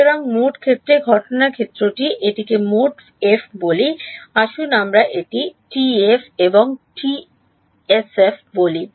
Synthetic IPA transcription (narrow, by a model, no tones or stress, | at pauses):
oɾaŋmoʈkʰet̪ːɾeɡʱɔʈonaɾkʰet̪ːɾoʈiʔeʈikemoʈ | efboliaʃunamɾaʔeʈiʈiefeboŋʈi | esefboli